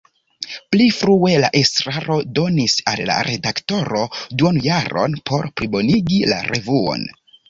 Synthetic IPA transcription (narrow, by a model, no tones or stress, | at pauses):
plifɾue̞laʔe̞stɾaɾo̞do̞nisalːa̰ɾe̞dakto̞ɾo̞duonjaɾo̞̰npʰo̞ɾpɾibo̞niɡila̰ɾʔe̞vuo̞̰n